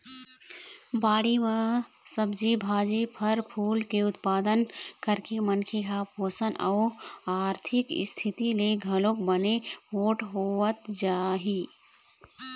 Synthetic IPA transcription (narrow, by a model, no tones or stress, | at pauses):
baːɽimẽ | səbd͡ʒibʱaːd͡ʒepʰəɾpʰuːlkeʊt̪paːd̪ənkəɾkemənkʰeɦaposənʔa̰ʊaːɾt̪ʰɪkɪ̰st̪ʰit̪ileɡʱəlok̚bəneɦoːʈɦoət̪d͡ʒaːɦi